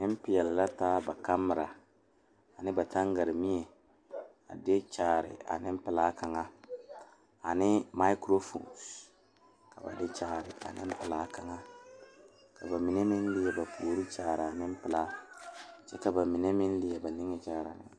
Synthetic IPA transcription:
nɪ˦m˦pɪ˨jɛ˨lɪ˨la˦taː˦ba˨ka˦mːɪ˨ɾa˨ | a˨nɪ˦ba˨ta˦ŋɡa˨ɾɪ˨mi˦ɛ˨ | a̰˨dɪ˦t͡ʃaː˨ɾɪ̰˨ʔa̰˨nɪ˦m˦pɪ˨la˦ka˨ŋa˦ | a˨nɪ˦ma˦kɾo˦fṵ˨ns | ka˨ba̰˨dɪ˦t͡ʃaː˨ɾɪ˨a̰˨nɪ̰˦m˦pɪ˨laː˦ka˨ŋa˦ | kʰa˨ba˨mi˨ne˦mɪ˦n˦lɪ˨jɛ˦ba˨pʰoː˨ɾi˦t͡ʃaː˨ɾɪ˨a˨nɪ˦m̩˦pɪ˨la˦ | t͡ʃɛ˦ka˨ba˨mi˨ne˦mɪ˦n˦lɪ˦ɛ˨ba˨nɪ˦ŋɛ˦t͡ʃaː˦˨ɾa̰˨nɪ̰˦

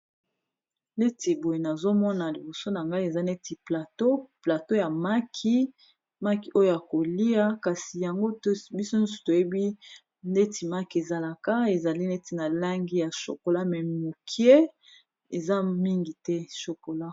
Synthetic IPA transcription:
ne˦ti˨bo˨je˨na˨zo˦mɔ˦na˨li˨bo˨so˦na˨ŋɡa˦i˦e˨za˦ne˦ti˨pla˨to˦pla˨to˦ja˨ma˦kʰi˦ | ma˦ki˨ʔo˦jo˦˨ja˨ko˨li˦a˦ka˨si˨ja˨ŋɡo˦tbi˦so˦n̩˦su̥˨to˨je˦bi˦ | ne˦ti˨ma˦ki˨e˨za˨la˨ka˦e˨za˨li˦ne˦ti˨na˨la˦ŋɡi˦ja˨ʃo̰˨ko˨la˦mɛ˨mo˨kʰi˦e˦ | e˨za˦mi˦ŋɡi˨tɛ˦ʃo˨ko˨la˦

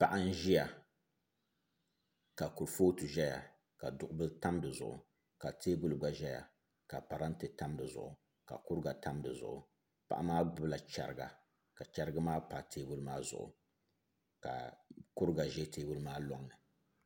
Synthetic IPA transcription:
pa˨ʔa˦n̩˦ʒi˦ja˨ | ka˨ku˨ɾfoː˦tu˨ʒɛ˦ja̰˨ | ka˨dʊ˨ʔʊ˦bɨ˦ta˦mdɨ˨zʊ˨ʔʊ̰˨ | ka˨tʰeː˦bu˦lɡ͡ba˨ʒɛ˦ja̰˨ | ka˨pa˨ɾa˦n˦tɨ˨ta˦mdɨ˨zʊ̰˨ʔʊ˨ | ka̰˨kʊ˦ɾɡa˨ta˦mdɨ˨zʊ̰˨ʔʊ˨ | pa̰˨ʔa˦maː˦bɨ˦la˨t͡ʃɛ̰˨ɾɨ˨ɡa̰˨ | ka˨t͡ʃa˦ɾɨ˦ɡa˦maː˦pa˨tʰeː˦bu˦lmaː˦zʊ̰˨ʔʊ̰˨ | ka̰˨kʊ˦ɾɡa˨ʒɛ˦teː˨bu˦lmaː˦lɔ˦ŋːɨ˨

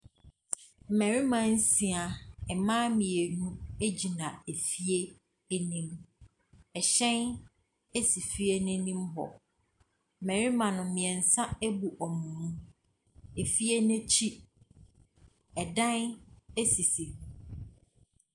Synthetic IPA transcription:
m̩˨mæ̃˨ɾi˦mã˨n̩˦sĩ˨a˨ɛ˨mãː˦mĩ˨e˨nũ˦e˦d͡ʑi˨nã˨e˨fi˦e˦ | e˦nĩ˦m | ɛ˨ɕɛ̃˦n | e˦si˨fi˦e˦nɪ̃˦nĩ˦mɦɔ̰˨ | m̩˨mæ̃˨ɾi˦mã˨nʊ̃˨˦mɪ̃˨ɛ̃˨n̩˨sã˦e˦bu˨ʔɔ˨mũ˨ũ˦ | e˨fi˦e˦nɛ̃˦t͡ɕʰi˦ | ɛ˨dã˦ne˦si˨si˨

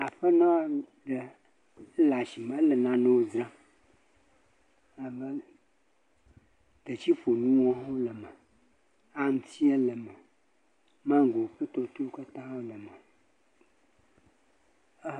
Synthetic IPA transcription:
a˨ɸə˦nã˦ɖə˨˦ | la˨ʃi˨mə̃˦lə˨nã˨nõ˦wo˨zɾã˦ | a˨bə˦ | t̪e˨t͡ɕi˦ɸo˨nũ˦wɔ̃˦ɦo˦lə˨mə˨ | a˦m̩˨t̪ʰi˦e˦lə˨mə˨ | mã˦ŋ˦ɡo˨ɸə˦t̪ɔ˨t̪o˦ka˦t̪ã˦o˦lə˨mə˨˦

